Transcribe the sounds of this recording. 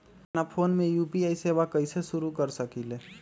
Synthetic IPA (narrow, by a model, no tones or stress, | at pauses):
napʰoːnmẽjuːpiaːiseːʋakəɪseʃʊɾukəɾsəkileː